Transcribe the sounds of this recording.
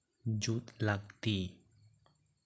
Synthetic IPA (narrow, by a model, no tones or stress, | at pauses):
d͡ʒut̪lak̚t̪i